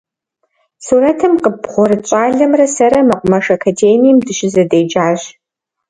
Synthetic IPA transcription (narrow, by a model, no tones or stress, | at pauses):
suːɾɐtʰɨmqəbʁʷɔɾɨt͡ʃʼaːɮɐmrɐsɐɾɐmɐqʷʊmɐʂɐkʰɐdeːnijːmdɨʃɪzɐdejd͡ʒaːʑ